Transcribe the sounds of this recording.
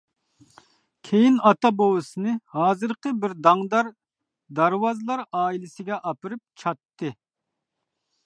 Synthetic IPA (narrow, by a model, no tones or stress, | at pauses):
kʲʰejinɑt̪ɑbowɨsɨnɨhɑːzɨɾqəbɪɾd̪ɑŋd̪ɑɾ | d̪ɑɾwɑzɨlˠɑɾɑːilˠɪsɪɡʲɛʔɑpɨɾɨp̚t͡ʃʰɑt̪ːɨ